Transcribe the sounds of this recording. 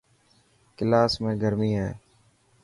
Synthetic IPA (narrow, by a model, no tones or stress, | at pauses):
kɪlaːsmẽːɡʱəɾmiːɦɛ̰ː